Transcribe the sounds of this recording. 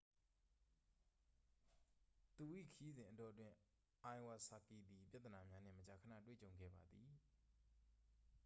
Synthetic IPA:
t̪u˨ʔḭ˦˨kʰəji˦zɪ̃˨ʔədɔ˨ʔətwɪ̃˨ | ʔã˨ɪ̃wa˨sa˨ki˨d̪i˨pja˦t̪ːəna˨mja˦n̥ɪ̰̃˦˨mət͡ɕa˨kʰə˨nä̰˦˨twḛ˦˨t͡ɕõ˨ʊ̃ŋɡɛ̰˦˨ba˨d̪i˨

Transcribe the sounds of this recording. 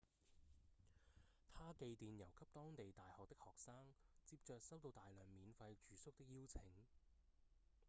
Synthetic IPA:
t̪ʰaː˥ke˧jt̪iː˨njɐ˨˩wkʰɐ˥p̚t̪ɔː˥ŋt̪e˨jt̪aː˨jhɔː˨k̚t̪ɪ˥k̚hɔː˨k̚saː˥ŋt͡siː˧p̚t͡ʃœː˨k̚sɐ˥wt̪o˧wt̪aː˨jlœː˨˩ŋmiː˨˧nfɐ˧jt͡ʃyː˨˧sʊ˥k̚t̪ɪ˥k̚jiː˥wt͡sʰɪ˨˥ŋ

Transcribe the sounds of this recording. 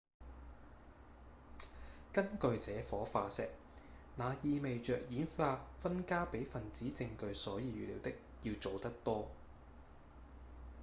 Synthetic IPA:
kɐ˥nkɵ˨˧ɥt͡sɛː˨˥fɔː˨˥faː˧sɛ̰ː˨k̚ | naː˨˧jiː˧me˨jt͡ʃœː˨k̚jiː˨˥nfaː˧fɐ˥nkaː˥pe˨˥jfɐ˨˩nt͡siː˨˥t͡sɪ˧ŋkɵ˨˧ɥsɔː˨˥jiː˧ɥyː˨lḭː˨˥wt̪ɪ˥k̚jiː˧wt͡so˨wt̪ɐ˥k̚t̪ɔː˥

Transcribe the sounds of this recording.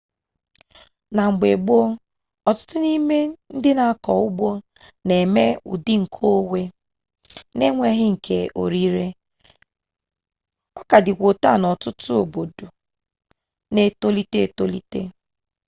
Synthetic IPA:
na˨ŋ͡m̩˨ɡ͡be˨ɡ͡bo˦ | ɔ˨tʊ̥˦tʊ˦ni˦me˦n̩˦dɪ˦na˨a˦˨kɔ˨ʊ˦ɡ͡bo˦ | ne˨me˦ṵ˨dɪ˦ŋ̩˨kʰo˦we˦ | ne˦ŋʷe˦ɦɪ˦ŋ̩˨kʰe˨ʔo̰˨ɾi˦ɾe˦ | ɔ˦ka˨dɪ˨kʷo˨ta˦˨nɔ˨tʊ˦tʊ˦o˨bo˨do˨ | ne˦to˦li˦te˦e˨to˦li˦tḛ˦

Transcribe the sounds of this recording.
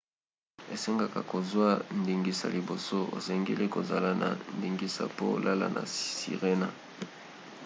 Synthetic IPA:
e˨se˦ŋɡa˨ka˨ko˨zwa˦ndi˨ŋɡi˨sa̰˨li˨bo˨so˦o̰˨sɛ˨ŋɡe˦li˦ko˨za˨la˦na̰˨ndi˨ŋɡi˦sa̰˨po˦lʔa˦la̰˦nʔa̰˨sḭ˨ʁe˦na˦

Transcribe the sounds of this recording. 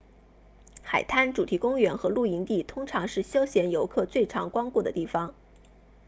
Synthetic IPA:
xa˨˩ɪt̪ʰa˥nʈ͡ʂu˨˩t̪ʰi˧˥kʊ˥ŋɥɛ˧˥nxɤ˧˥lu˥˩i˧˥nt̪i˥˩t̪ʰʊ˥ŋʈ͡ʂʰɑ˧˥ŋʂɻ̩˥˩ɕjo˥ʊɕjɛ˧˥njo˧˥ʊkʰɤ˥˧t͡swe˥˩ɪʈ͡ʂʰɑ˧˥ŋkwɑ˥ŋku˥˩d̪ə̰˩t̪i˥˩fɑ˨˩ŋ

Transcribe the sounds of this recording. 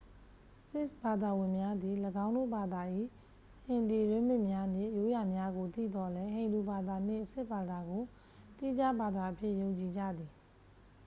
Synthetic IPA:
sɪ˦sba˨d̪a˨wɪ̃˨mja˦d̪i˨ləɡã˦ʊ̃ndo̰˦˨ba˨d̪a˨ʔḭ˦˨ | hɪ̃˨ndi˨ɹɪ̃˦˨mɪ̃˦ʔmja˦n̥ɪ̰̃˦˨ʔjo˦ja˨mja˦ɡo˨t̪ḭ˦˨d̪ɔ˦lɛ˦ɦẽ˨ɪ̃ndu˨ba˨d̪a˨n̥ɪ̰̃˦˨ʔəsɪ˦ʔba˨d̪a˨ɡo˨ | t̪i˦d͡ʑa˦ba˨d̪a˨ʔə˨pʰjɪ˦ʔjõ˨ʊ̃ɲt͡ɕi˨d͡ʑä̰˦˨d̪i˨

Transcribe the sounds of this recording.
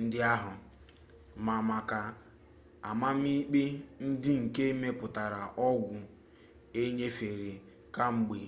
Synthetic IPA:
n̩˦dɪ˦a˦ɦʊ˨ | ma˨ma˨ka˨ | a˨ma˦m̩˦i˦k͡pi˦n̩˦dɪ˦ŋ̩˨ke˦me˦pʊ˨ta˨ɾa˨ʔɔ˦ɡʷʊ˨ | e˦ɲe˦fe˨ɾe˨ | ka˦ŋ͡m̩˨ɡ͡be˨

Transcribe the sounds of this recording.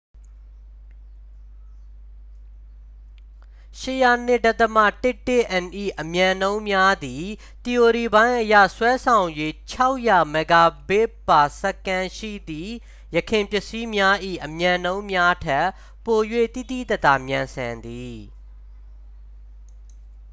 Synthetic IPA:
ʃɪ˦˨ja˨n̥ɪ˦˨dɛ˦ʔt̪ə˨mä̰˦˨tɪ˦tːɪ˦˨ʔɛ̃˨nʔḭ˦˨ʔəmjã˨nõ˦ʊ̃mja˦d̪i˨ | t̪i˨o˨ɾi˨bã˦ɪ̃ʔəja̰˦˨swɛ˦sʰã˨ʊ̃ɲjwe˦t͡ɕʰa˦ʊʔja˨mɛ˨ɡa˨be˦pa˨sə˦kã˦ʃḭ˦˨d̪i˨ | jə˨kʰɪ̃˨mpjɪ˦˨ʔsi˦mja˦ʔḭ˦˨ʔəmjã˨nõ˦ʊ̃mja˦tʰɛ˦ | pːo˨jwḛ˦˨t̪ḭ˦˨d̪ḭ˦˨t̪ɛ˦t̪a˨mjã˨nsã˨nd̪i˨

